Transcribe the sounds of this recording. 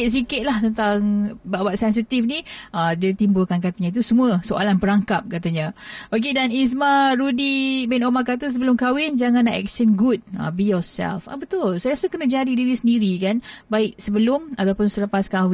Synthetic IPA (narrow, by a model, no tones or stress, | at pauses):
s̬ikɪt̪̚laht̪ənt̪aŋbaʔbaʔsɛns̬it̪ifniʔədiit̪imbulkankat̪aɲait̪usəmũəsoʔalanpəɾaŋkap̚kat̪aɲaʔok̬edanis̬maɾudibɛnomakat̪̬əs̬əbəlʊmkawɪnd͡ʒaŋãnːaʔɛ̰k̚sənɡut̚ə̰bijɔsɛ̰lfa̰bət̪ʊlsajaɾasəkənəd͡ʒadidiɾisəndiɾikanbaɪk̚səbəlʊmat̪awpʊnsələpaskawɪ